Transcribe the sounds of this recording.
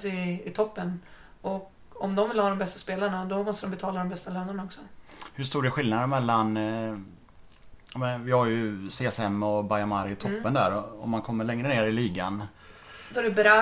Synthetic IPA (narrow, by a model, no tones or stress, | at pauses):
sɪɪt̪ʰɔpːən | ɔk | ɔmd̪ɔmvɪlhɑːd̪ɔmbɛst̪aspeːlaɳad̪ɔmɔst̪əɾɔmbɛt̪ʰɑːlad̪ɔmbɛst̪aløːnaɳaɔksɔhɵʂt̪uːɖɛɧɪlnad̪əmɛlːan | amɛnvɪhaɾjɵseːɛsɛmːɔbajamaɾɪt̪ʰɔpːənd̪æ̰ːɾɔɔ̰mankʰɔmːəɭɛŋɾəneːɾɪliːɡan | d̪ɔæɾɛbɾɑ